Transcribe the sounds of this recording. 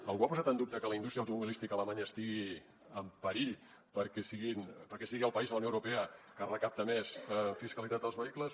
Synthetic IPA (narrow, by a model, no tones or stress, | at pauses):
əŋɡwapuzat̪ənd̪up̚t̪əkələindust̪ɾiəwt̪umuβilist̪ikələmaɲəːst̪iɣi | əmpəɾiʎ | pəɾkɛsiɣinpəɾkɛsiɣiəlˠpəizðləwnowɾupɛəkərəkap̚t̪əmesfiskəlit̪at̪əlˠzβəikləs